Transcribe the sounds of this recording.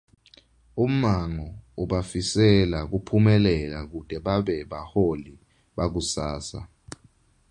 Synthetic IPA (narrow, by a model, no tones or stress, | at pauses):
um̩maŋɔuɓafisɛlak̬upʰumɛlɛlak̬ud̥ʱʼɛɓaɓɛɓaholi | ɓak̬usaːsa̰